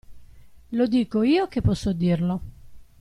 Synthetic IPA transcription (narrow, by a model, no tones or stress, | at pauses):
lod̪iːkoiːok̟epːɔsːod̪irlo